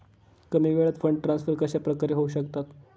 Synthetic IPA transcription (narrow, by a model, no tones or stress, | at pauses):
kəmiːʋeɭət̪fɾəɳʈʈːɾansfəɾkəɕapɾəkaɾeɦouɕəkt̪at̪